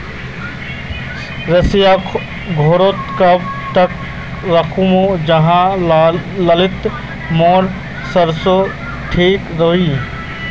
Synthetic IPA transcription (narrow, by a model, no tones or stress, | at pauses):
ɾɐsija | ɡʱoːɾoːt̪kɐbt̪ɐk | ɾɐkʰumod͡ʒɐɦã | lɐlɪt̪ | moːɾ | sɐɾso | ʈʰiːkɾoɦi